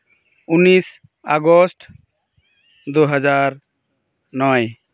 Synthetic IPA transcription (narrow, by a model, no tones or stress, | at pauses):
unis | aɡɔsʈ | d̪uɦəd͡ʒaɾ | nɔj